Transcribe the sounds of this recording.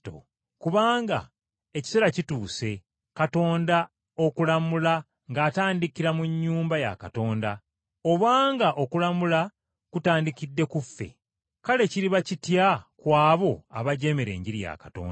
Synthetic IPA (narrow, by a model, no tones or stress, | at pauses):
o̰ | kuβaːŋɡa̰ | e̞ci̥se̞ɾacituːse̞ | kato̞ːnda | o̞kulamula | ŋɡaːtaːndikiɾamuɲːuːmbaja̰kato̞ːnda | oβaːŋɡaʔo̞kulamula | kutaːndikidːe̞kufːe̞̰ | kale̞ciɾiβacitjakwaːβo̞a̰βaɟe̞meɾe̞̰ːɲɟiɾija̰kḁto̞̰ːnda